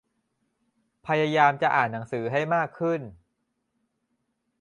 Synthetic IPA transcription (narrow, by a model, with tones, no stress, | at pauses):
pʰa˧jaː˧jaː˧mt͡ɕa˨˩ʔaː˨˩nːa˩˦ŋsɯː˩˦ɦa˥˩jmaː˥˩kʰːɯ˥˩n